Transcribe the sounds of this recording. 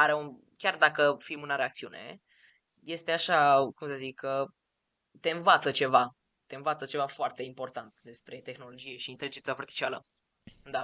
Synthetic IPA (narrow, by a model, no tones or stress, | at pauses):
aɾeun | kʲjard̪akəfimunaɾe̞ak̚t̪siune̞̰ | je̞st̪e̞aʃakumsəzikːə | t̪e̞ɨnvat̪sət͡ʃe̞va | t̪e̞ɨnvat̪sət͡ʃe̞vafoart̪e̞impo̞rt̪ant̪̚d̪e̞spɾe̞t̪e̞xno̞lo̞d͡ʒije̞ʃiːnt̪eɾed͡ʒensafərt̪i̥t͡ʃialə̰ | d̪a